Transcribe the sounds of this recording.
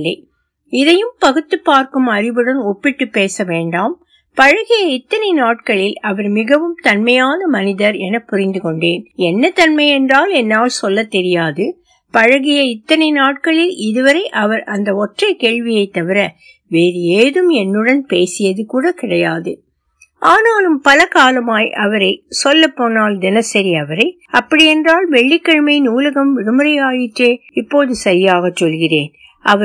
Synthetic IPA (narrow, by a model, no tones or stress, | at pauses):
ɐɪ | ɪðɐjɯmpɐɣɯt̪ːɯpːaːɾkɯmɐɾɪʋɯɽɐnɔpːɪʈːɯpːeːsɐʋeːɳɖaːm | pɐɻɐɣɪjɐɪt̪ːɐnɐɪnaːʈ̚kɐɭɪlɐʋɐɾmɪɣɐʋɯmt̪ɐnmɐjaːnɐmɐnɪðɐɾɛnɐpːʊɾɪnd̪ɯkɔɳɖeːnɛnːɐt̪ɐnmɐɪɛndraːlɛnːaːlsɔlːɐt̪ːɛɾɪjaːðɯ | pɐɻɐɣɪjɐɪt̪ːɐnɐɪnaːʈ̚kɐɭɪlɪðɯʋɐɾɐɪʔɐʋɐɾʔɐnd̪ɐɔʈrɐɪkeːɻʋɪjɐɪt̪ːɐʋɪɾɐ | ʋeːɾɯjeːðɯmɛnːɯɽɐnpeːsɪjɐðɯkuːɽɐkɪɽɐjaːðɯ | ʔaːnaːlɯmpɐlɐkaːlɐmaːjʔɐʋɐɾɐɪsɔlːɐpːoːnaːld̪ɪnɐsɐɾɪɐʋɐɾɐɪ | ɐpːɐɽɪjɛndraːlʋɛɭːɪkːɐɻɯmɐɪnuːlɐɣɐmʋɪɻɯmɯɾɐɪaːjɪʈreːɪpːoːðɯsɐɾɪjaːɣɐt͡ʃːɔlɣɪreːn | ʔɐʋɐ